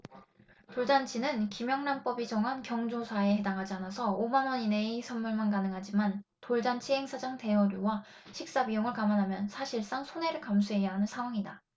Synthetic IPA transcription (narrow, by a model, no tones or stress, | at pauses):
toɭd͡ʑant͡ɕʰinɯnkimjʌŋnanp͈ʌbid͡ʑʌŋɦankjʌŋd͡ʑosʰaehe̞daŋɦad͡ʑianasʰʌomanwʌɲine̞isʰʌnmuɭmankanɯŋɦad͡ʑiman | toɭd͡ʑant͡ɕʰiɦe̞ŋsʰad͡ʑaŋte̞wʌɾjuwa | ɕʰik̚s͈abijoŋɯɭkamanɦamjʌnsʰaɕʰiɭs͈aŋsʰone̞ɾɯɭkamsʰuɦe̞jaɦanɯnsʰaŋɦwaŋida